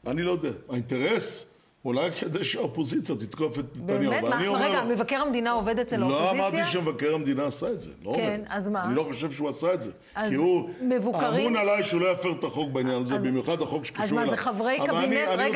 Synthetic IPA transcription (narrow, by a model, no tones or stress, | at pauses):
anilo̞jod̪eaaint̪eʁes | ulajked̪eʃaopo̞zit͡sjat̪it̪kofet̪ːanjaniomeʁmevakeʁamd̪inaoved̪etelloammaʁdt̪iʃemevakeʁamd̪inaːsaetzḛlooveazaanilo̞χo̞ʃevʃeuasaetze | kiumevuamunalajʃeulo̞jafeʁt̪aχo̞k̚beinjanazezbimjuχad̪haχo̞kʃe̥kaʃueavʁejavalaniani